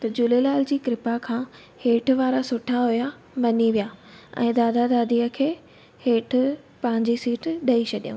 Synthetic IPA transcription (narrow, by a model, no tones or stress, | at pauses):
t̪ɐd͡ʑʊlelaːld͡ʑiːkɾɪpakʰãː | heːʈʰʋaːɾasʊʈʰaɦuja | mɐniʋijaɛ̰̃ːd̪aːd̪ad̪aːd̪iːəkʰeː | heːʈʰʊ̆ | pɐ̃ɦɪ̃ɲd͡ʑisiːʈɗɐit͡ɕʰɐɗijũː